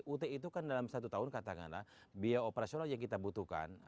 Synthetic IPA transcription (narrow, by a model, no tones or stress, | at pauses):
ʔut̪eit̪̬ukandalamsat̪ut̪aɦʊnkat̪aka̰nla̰hbiaopeɾasionaljaŋkit̪abut̪uka̰n